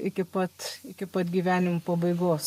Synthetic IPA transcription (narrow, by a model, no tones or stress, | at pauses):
ɪkʲɪpɐt̪ɪkʲɪpɐt̪ɡʲiːʋʲæːnʲɪmopɐbɐɪɡoːs